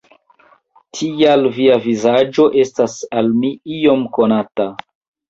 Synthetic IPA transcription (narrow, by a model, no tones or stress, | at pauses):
tʰialviavizad͡ʒo̞ʔe̞stasalmiio̞mko̞nata